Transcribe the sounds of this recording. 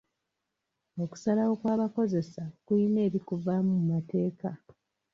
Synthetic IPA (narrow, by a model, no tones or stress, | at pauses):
o̞ku̥salawo̞kwaːβako̞ze̞sakuine̞ːɾikuvamumumate̞ːka